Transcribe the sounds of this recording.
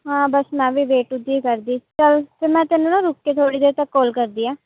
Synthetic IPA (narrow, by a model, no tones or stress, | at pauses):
ɦãːbəsmɛ̃ːʋiːʋeːʈʊd̪iːkəɾd̪iːt͡ʃəlpʰɪɾmɛ̃ːt̪ɪnːũːnãːɾʊkːeːt̪ʰoːɽiːd̪eːɾt̪əkːolkəɾd̪iːãː